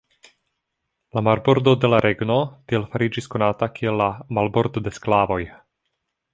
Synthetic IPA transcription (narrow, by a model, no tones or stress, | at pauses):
lamaɾbo̞ɾd̪o̞de̞laɾʔe̞ɡno̞t̪ielfaɾid͡ʒisko̞natakielːamalbo̞ɾd̪o̞d̪e̞sklavo̞j